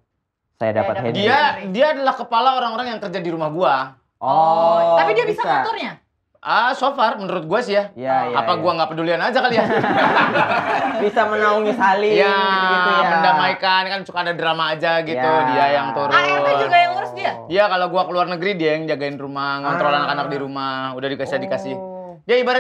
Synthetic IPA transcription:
sa̰ja̰da̰pat̪hediadiaːdalahkəpalaoɾaŋoɾaŋjaŋkərd͡ʒadiɾumahɡua | ɔt̪apidiabisakat̪ʊrɲa | ʔəsofarmənəɾʊt̪̚ɡuasiaaa̰paɡuaŋɡapədulianad͡ʒakalia | bisamənauŋisalija | məndamaikankansu̥kaːdadɾamaːd͡ʒaɡit̪udiajaŋt̪uɾaad͡ʒuɡajaŋəɾʊsdia | iakalaoɡuakəluarnəɡəɾidiaŋd͡ʒaɡaɪnrumakɔnnt̪ɾolanakanak̚diɾumahudahdikasiadikasɪh | d͡ʒaibaɾat

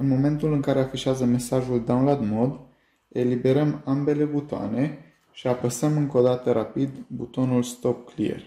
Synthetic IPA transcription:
ɨnmo̞me̞nt̪ulɨŋkaɾe̞afiʃeazəme̞saʒuld̪awnlad̪mod̪ | e̞libe̞ɾəmambe̞le̞but̪oa̰ne̞ | ʃiapəsəmɨŋko̞d̪at̪əɾapid̪but̪o̞nulst̪o̞p̚klḭḛr

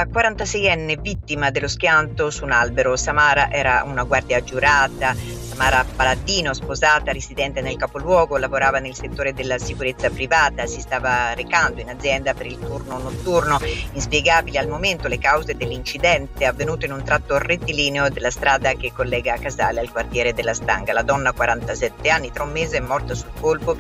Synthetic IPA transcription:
akwaɾant̪asɛjɛnːevit̪ːimad̪elːosk̟jant̪osunalbeɾosamaːɾaʔɛːɾaunaɡward̪jad͡ʒuɾaːt̪a | samaːɾapalad̪iːnospozaːt̪aɾezid̪ɛnt̪enelkapolwɔːɡolavoɾaːvanelset̪ːoːɾed̪elːasikuɾet̪sːapɾivaːt̪asist̪aːvarekand̪oinad̪zːjɛnd̪apeɾilt̪urnonot̪ːurnoinspjɛɡaːbilealmoment̪olekawzed̪elːint͡ʃid̪ɛnt̪eavːenuːt̪oinunt̪ɾat̪ːoret̪ːiliːneod̪elːast̪ɾaːd̪ak̟ekːolːɛːɡakazaːlealkwart̪jɛːɾed̪elːast̪a̰ŋɡalad̪ɔnːakwaɾant̪asɛt̪ːeanːit̪ɾɛumːeːzeɛmːɔrt̪asulkolpo

